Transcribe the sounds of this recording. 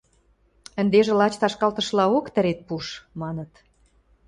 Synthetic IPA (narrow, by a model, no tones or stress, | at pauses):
ə̆nd̪eʒĕlɑt͡ɕt̪ɑʃkɑlt̪ə̆ʃlɑokt̪ə̆ɾet̪̚puʃmɑnə̆t̪